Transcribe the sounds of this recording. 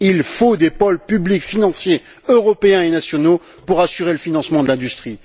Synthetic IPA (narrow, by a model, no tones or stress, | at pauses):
ilfod̪epɔlpyblikfinɑ̃sje | øʁɔpeɛ̃enasjɔno | puʁasyʁeləfinɑ̃smɑ̃d̪əlɛ̃d̪yst̪χi